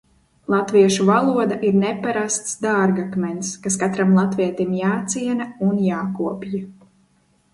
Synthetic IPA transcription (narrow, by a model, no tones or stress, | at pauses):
lˠat̪viɛʃuvalˠuɔd̪aʔiɾnepaɾast̪sd̪aːɾɡakmɛnskaskat̪ɾamlˠat̪viɛt̪imjaːt̪siɛnaunjaːkuɔpʲja